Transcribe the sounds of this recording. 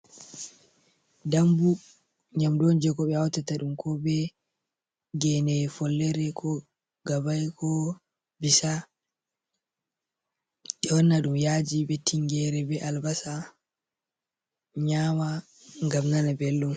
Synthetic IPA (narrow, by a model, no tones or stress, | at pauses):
dambu | ɲamdond͡ʒɛkɔɓɛawtataɗumkɔbɛ | ɡɛnɛfɔlːɛɾɛkʰɔ | ɡabajkʰɔ | bisa | ɗɛwɔnːaɗumjad͡ʒibɛtʰiŋɡɛɾɛbɛʔalbasa | ɲama | ŋɡamnanabelːum